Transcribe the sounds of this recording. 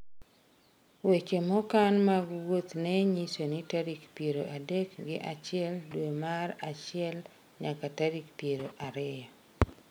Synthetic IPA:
wet͡ʃemɔkanmaɡwot̪nɛɲisonɪtaɾikpjeɾoʔadekɡɪʔat͡ʃɪɛldwemaɾat͡ʃɪɛl | ɲakataɾikpjeɾoʔaɾɪjɔ

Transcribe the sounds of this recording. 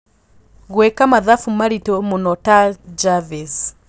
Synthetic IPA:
ɣwɛkamaðafumaɾitɔmonɔtad͡ʒaves

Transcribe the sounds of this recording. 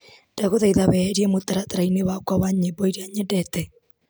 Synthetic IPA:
d̥aɣoðaiðawɛɾiɛmotaɾataɾainewakwawaɲebɔiɾiaɲɛdɛtɛ

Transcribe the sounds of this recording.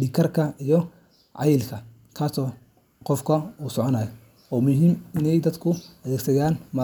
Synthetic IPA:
ɖɪkʰɐrkʰɐijɔ | ʕɑ̰jɪlkʰɐ | kʰaːsɔː | qɔfkʰɐuːsɔʕɔnaːjɔ | ɔːmʊɦiːmɪnɛjd̪ɐd̪kʰʊɐðɛːɡsɐjaːnmɐ

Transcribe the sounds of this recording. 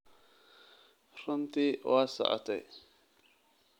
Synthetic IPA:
ɾəmtiwasa̰ʔa̰tḛ

